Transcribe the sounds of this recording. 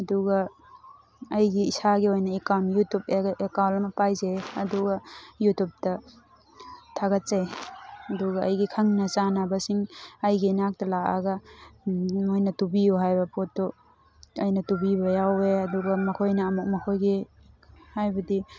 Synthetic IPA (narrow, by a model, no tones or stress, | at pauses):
ɐduɡɐ | jɡiːsaɡiojnɐikamjutupekawlɐmɐpajzeɐduɡɐjutup̚tɐ | tʰaɡɐt̚seɐduɡɐɐjɡikʰɐŋnɐsanabɐsiŋɐjɡinak̚tɐlaa̰ɡɐ | ojnɐtubijoɦajbɐpotːo | ɐjnɐtubibɐjaweɐduɡɐmɐkʰojnɐːmuk̚mɐkʰojɡi | hajbɐdi